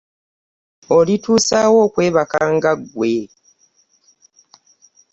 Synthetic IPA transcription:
olituːsaːwo̞ːkwe̞ːβakaːŋɡaɡwe̞

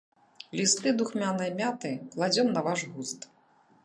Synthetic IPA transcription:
lʲist̪ɨd̪uxmʲanɨjmʲat̪ɨklˠad͡zʲɔmnɐvaʐɣust̪

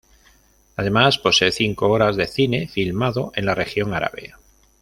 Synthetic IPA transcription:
að̞e̞maspo̞se̞eθiŋko̞oɾazðe̞θine̞filmaðo̞ʔe̞nlare̞xjo̞ŋaɾa̰βe̞̰

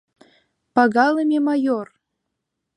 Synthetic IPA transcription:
pɑɣɑləmʲemɑjor

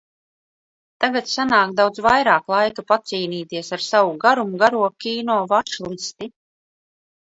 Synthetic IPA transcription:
t̪aɡat̪sanaːk̪d̪awd̪zvajɾaːklˠajkapat̪siːniːt̪iɛsaɾsavuɡaɾumuɡaɾuɔkʲiːnɔːvat͡ʃlˠist̪i

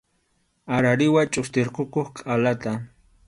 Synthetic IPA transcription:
aɾaɾɪwat͡ʃʼʊst̪ɪɾqokoχqʼalat̪a

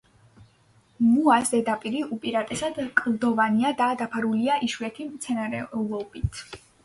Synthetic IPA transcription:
muasd̪ɛd̪apʼiɾiupʼiɾat̪ʼɛsad̪kʼlˠd̪ɔvaniad̪ad̪apʰaɾuliaʔiʃuɛt̪ʰimt̪sʰɛnaɾɛulɔbit̪ʰ

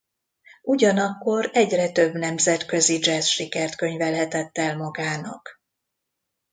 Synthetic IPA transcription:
ʔuɟɒnɒkːo̞ɾɛɟrɛt̪ø̞bnɛmzɛt̪kø̞zid͡ʒɛsʃikɛrt̪kø̞ɲvɛlɦɛt̪ɛt̪ːɛlmɒɡaːnɒ̰k

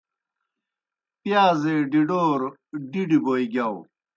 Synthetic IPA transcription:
pjaːzeːɖiɖoːɾ | ɖiɖiboːjɡaw

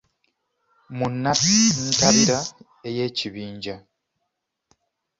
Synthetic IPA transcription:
munːatntaβiɾa | eje̞ːciβiːɲɟa

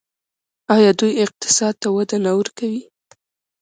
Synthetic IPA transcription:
ɑjɑd̪ujɪq̚t̪ɪ̥sɑd̪̚t̪awad̪anawəɾkawi

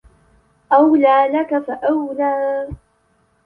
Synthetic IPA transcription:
ʔawlaːlakafaʔawlaː

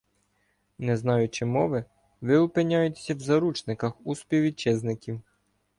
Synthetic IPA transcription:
nɛznɑjʊt͡ʃɪmɔʋɪ | ʋɪʊpɪnʲɑjʊtʲsʲɐwzɐɾut͡ʃnɪkɐxuspʲiwʋit͡ʃɛznɪkʲiw

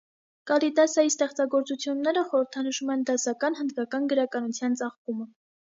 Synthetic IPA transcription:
kɑlid̪ɑsɑjist̪ɛχt͡sɑɡɔɾt͡sut͡sʰjunːɛɾəχɔɾəɾt̪ʰɑnəʃumɛnd̪ɑsɑkɑnhənd̪kɑkɑnɡəɾɑkɑnut͡sʰjɑnt͡sɑχpumə

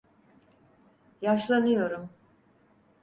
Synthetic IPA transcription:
jaʃlˠanɯjo̞ɾum

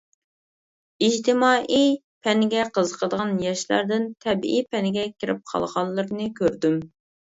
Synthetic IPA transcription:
id͡ʒt̪ʰɪmɑːʔi | pʰɛnɡʲɛqʰəzəqʰəd̪əʁɑnjɛʃlæ̰ɾd̪ɪnt̪ʰɛbʔipɛnɪɡʲɛkʲiɾɪ̰p̚qʰɑ̰lˠʁɑlˠːəɾnɨkʲʰøɾd̪ym

